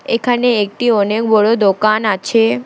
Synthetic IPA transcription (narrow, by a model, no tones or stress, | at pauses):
ekʰaneek̚ʈiɔnekbɔɽod̪okanat͡ɕʰe